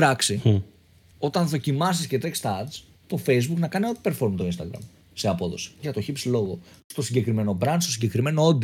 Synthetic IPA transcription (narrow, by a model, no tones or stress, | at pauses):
ɾɐksi | o̞t̪ɐnðo̞cimɐs̬iscet̪ekst̪ɐɐd͡z | t̪o̞fe̞jzbuknɐkɐnio̞t̪i̥pe̞ɾfo̞ɾmt̪oinst̪ɐɡɾɐ̰m | se̞ɐpo̞ðo̞si̥ʝɐt̪o̞çipslo̞ɣo̞st̪o̞siɲɟe̞kɾime̞no̞bɾɐnstosiɲɟe̞kɾime̞no̞od̪